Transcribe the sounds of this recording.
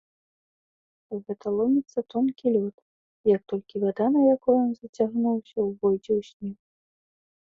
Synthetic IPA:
uɣɛt̪ʰɐlˠɔmʲit̪sɐt̪ɔnkʲilʲɔt̪ | jɐk̚t̪ɔlʲkʲivad̪anɐjakɔjɔnzɐt͡sʲaɣnuwsʲɐwvɔjd͡zʲɛwsʲnʲix

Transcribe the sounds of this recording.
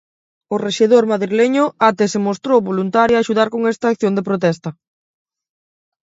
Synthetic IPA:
ʊreʃeðoɾmaðɾileɲʊat̪esemost̪ɾowβolunt̪aɾjaʃuðaɾkoŋest̪aːkθjond̪epɾot̪̬ɛst̪ɐ

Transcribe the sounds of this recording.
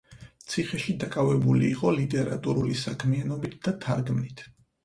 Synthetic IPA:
t̪sʰiχɛʃid̪akʼavɛbuliːqʼɔlit̪ʼɛɾa̰t̪ʼuɾulisakʰmianɔbit̪̚ʰd̪at̪ʰaɾɡmnit̪ʰ

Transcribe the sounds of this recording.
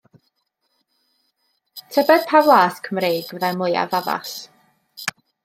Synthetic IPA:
tʰəbɛd̥pʰavlˠaːskʰəmreːɡvamlˠʊja̰vava̰ɬ

